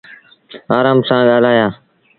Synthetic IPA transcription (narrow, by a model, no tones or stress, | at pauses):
aːɾaːmsãːɠaːlaːjaː